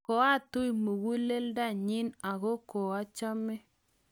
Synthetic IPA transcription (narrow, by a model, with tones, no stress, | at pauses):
o˨˦a˦˨tu˦i˨mu˨ɣu˦le˦lda˦˨ɲi˦na˨ɣo˦ko˨a˦t͡ʃa˦mɛ˦